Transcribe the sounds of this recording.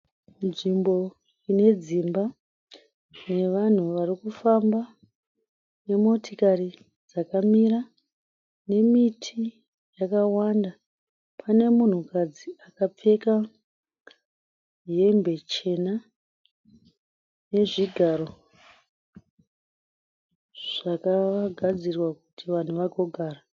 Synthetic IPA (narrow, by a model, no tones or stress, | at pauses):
nʐimbo̞ | ine̞d͡zimba | ne̞ʋan̤uʋarikufamba | ne̞mo̞tikari | d͡zakamira | ne̞mitʰi | jakawanda | pʰane̞mun̤ukad͡ziakap͡fe̞ka | je̞mbe̞t͡ʃe̞na | ne̞ʐiɡʱaɾo̞ | ʐ̥akaɡʱad͡zirwakutiʋan̤uʋaɡʱo̞ɡʱaːra